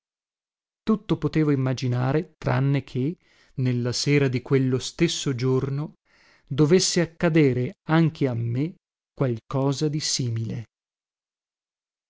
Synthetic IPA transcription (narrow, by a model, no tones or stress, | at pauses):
t̪ut̪ːopot̪eːvoimːad͡ʒinaːɾet̪ɾa̰nːekʰe | nelːasɛːɾad̪ikwelːost̪esːod͡ʒorno | d̪ovesːeakːad̪eːɾeaŋkʰeamːe | kːwalkɔːzad̪isiːmile